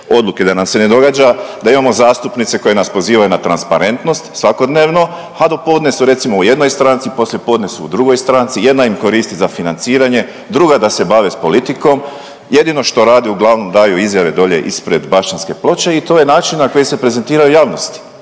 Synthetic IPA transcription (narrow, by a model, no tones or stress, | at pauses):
o̞d̪luke̞d̪anamse̞ne̞d̪o̞ɡaːd͡ʒad̪aimamo̞zaːst̪upnit̪se̞ko̞je̞naspo̞ziːʋajunat̪ɾanspaɾe̞nt̪no̞st̪sʋako̞d̪ne̞ːʋno̞ | ad̪opo̞d̪nesuɾe̞t̪simouje̞d̪no̞jst̪ɾaːnt̪sipo̞sljepo̞ːd̪nesuud̪ɾuɡo̞jst̪ɾaːnt̪sije̞d̪naimko̞ɾiːst̪izafinant̪siːɾaɲe̞ | d̪ɾuɡad̪ase̞baʋespo̞lit̪iko̞m | je̞d̪ino̞ʃt̪o̞ɾaːd̪iuɡlˠaʋno̞md̪aːjuizjaʋe̞d̪o̞ʎe̞̰ʔispɾe̞d̪baʃt͡ʃanske̞plˠo̞t͡ʃe̞it̪o̞ːje̞naːt͡ʃinnako̞jise̞pɾe̞ze̞nt̪iːɾajujaːʋno̞st̪i̥